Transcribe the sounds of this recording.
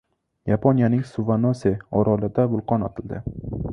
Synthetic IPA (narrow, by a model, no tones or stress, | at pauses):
japʰonjanɪŋsʊvanoseɒɾʔɒlˠɪd̪abʊlˠqʰɒnɒt̪ʰɪld̪ɪ